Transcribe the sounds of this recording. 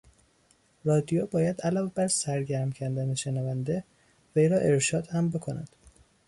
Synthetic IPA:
rɒːd̪ijobɒːjæd̪ælɒːve̞bæɾsæɾɟæɾmcʰæɾd̪æneʃe̞nævænd̪e̞ | vejɾɒːʔe̞ɾʃɒːd̪hæmbe̞kʰonæ̰d̪̥

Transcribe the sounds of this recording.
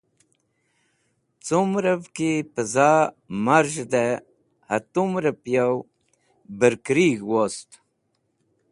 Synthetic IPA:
t͡sumɾəvkipəza | maɾʒd̪e | hat̪umɾəpjaw | bəɾkɾiɡwost̪

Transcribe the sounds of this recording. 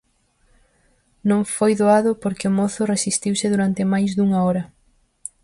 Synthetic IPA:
nõŋfojðoaðʊpoɾkemoθʊresist̪iwsɪðuɾant̪ɪmajzðuŋɐɔɾɐ

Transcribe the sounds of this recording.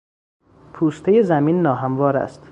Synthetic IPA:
pʰuːst̪ʰe̞je̞zæmiːnːɒːɦæmvɒːɾæ̰st̪

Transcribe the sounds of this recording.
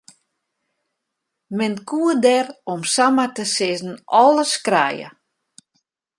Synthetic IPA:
mɪnkʰuədɛrɔmsamatəsɪzn̩ʔɔlˠəskra̰ːjə̰

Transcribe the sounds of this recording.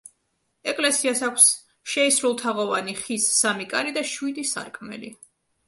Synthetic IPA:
ɛkʼlɛsiasakʰʷs | ʃɛisɾulˠt̪ʰaʁɔvaniχisːamikʼaɾid̪aʃwid̪isa̰ɾkʼʰmɛ̰li

